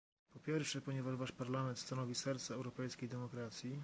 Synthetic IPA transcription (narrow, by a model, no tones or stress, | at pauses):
pɔpʲjɛɾfʂɛpɔɲɛvaʐvaʂpaɾlamɛnt̪st̪anɔvʲisɛɾt̪saɛwɾɔpɛjskʲejd̪ɛmɔkɾat̪sʲji